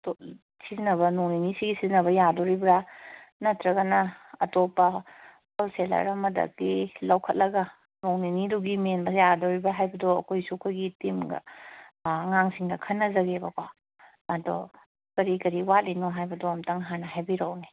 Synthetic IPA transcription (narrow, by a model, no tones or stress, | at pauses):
to | sizinɐβɐnoŋninisiɡisizinɐβɐjadoɾibɾanɐtɾɐɡɐnɐɐtopːɐ | kɐwselɐ̰ɾɐmɐdɐ̰k̚ilɐwkʰɐt̚lɐɡɐ | noŋniniduɡimenbɐjadoɾibaɦajbɐdoɐ̰kojsukʰaɡitimɡɐ̰ | ŋaŋsiŋdɐkʰɐnːɐzɐɡebɐkwa | ɐdo̰ | kɐɾikɐɾiwalinoɦajbɐdɔɐmtɐŋɦanɐɦajbiɾɐwni